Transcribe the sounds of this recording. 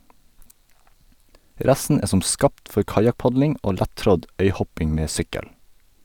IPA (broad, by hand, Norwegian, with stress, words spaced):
ˈɾɛsn̩ ˈeː ˈsɔm ˈskɑːpt ˈfɔɾ ˈkɑjɑkˌpɑɟlɪŋ ˈoː ˈlætˌtɾɔd ˈœʏˌhɔpɪŋ ˈmeː ˈsʏkəl